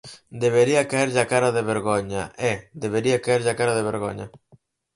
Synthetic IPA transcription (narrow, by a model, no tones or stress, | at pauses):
d̪eβ̞eɾiakaeɾʎakaɾaðeβeɾɣoɲa̰ʔɛd̪eβ̞eɾiakaeɾʎakaɾaðeβ̞eɾɣo̰ɲɐ̰